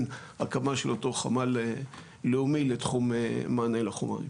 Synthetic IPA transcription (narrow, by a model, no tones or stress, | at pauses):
n | akamaʃelotoχa̰male | leumiletχumemaːnelaχuma̰ḭ